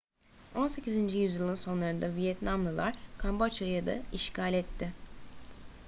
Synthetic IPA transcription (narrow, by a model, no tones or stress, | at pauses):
o̞nse̞cizind͡ʒijyzjɯlˠɯnso̞nlˠaɾɯnd̪avijɛt̪namlˠɯlˠaɾ̥kʰambaat͡ʃajad̪a̰iʃcʰalʲɛt̪ʰːɪ